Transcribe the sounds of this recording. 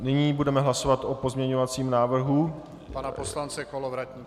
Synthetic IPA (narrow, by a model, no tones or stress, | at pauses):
nɪɲiːbudɛmɛɦlaso̞vat̪ʔopo̞zmɲɛɲovat͡siːmnaːvr̩ɦu | panaposlant͡sɛkolovɾatɲi